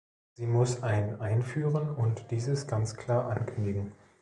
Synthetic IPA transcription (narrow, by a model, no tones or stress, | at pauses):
z̥iːmʊsʔaɪnənʔaɪnfyːʁənʊntd̥iːzəsɡ̥ant͡skʰl̥aːɐʔankʰʏndɪɡŋ̩